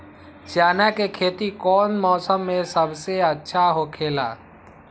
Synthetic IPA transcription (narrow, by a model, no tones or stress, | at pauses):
t͡ʃjaːnakekʰeːt̪ikɔːnmɔːsəmːẽsəbseətːʃʰaɦokʰeːla̰ː